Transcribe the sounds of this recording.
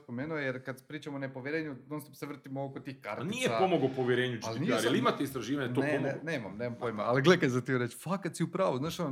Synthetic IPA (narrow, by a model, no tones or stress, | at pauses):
spomeːnuojeɾkad̪pɾiːt͡ʃamonepoʋjeɾeːɲud̪onst̪seʋr̩t̪imookot̪iːxka̰ɾtnijepaomoɡopoʋjeɾeːɲut͡ʃaliniaɾjaliimat̪eist̪ɾaʒiːʋaɲet̪oemneneːmamneːmampojmaaliɡlˠekajzat̪ioɾet͡ʃfakat̪siupɾaːʋuznaːʃon